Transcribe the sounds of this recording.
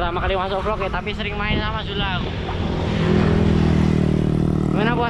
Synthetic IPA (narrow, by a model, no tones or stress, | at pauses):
lamakalimasɔflɔkjat̪apisəɾɪŋmaɪnsamasulau | manabua